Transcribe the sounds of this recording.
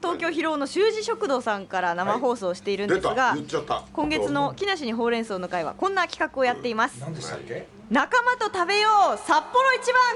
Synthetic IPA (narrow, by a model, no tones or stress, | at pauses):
t̪o̞ːkʲo̞ːçiɾo̞ːno̞ɕɨːʑiɕo̞kɯ̟d̪o̞ːsãŋkaɾanamaɦo̞ːso̞ːɕi̥t̪e̞iɾɯ̟nsɨɡakõ̞ŋɡe̞t͡sɨno̞kʲinaɕ̬iɲ̟iɦo̞ːɾẽ̞ɰ̃so̞ːno̞kaiβa̰kõ̞nːakʲi̥kakɯ̟o̞jat̪ːe̞imasɨ̥kː | nakamat̪o̞t̪abe̞joːsapːo̞ɾo̞it͡ɕibãŋ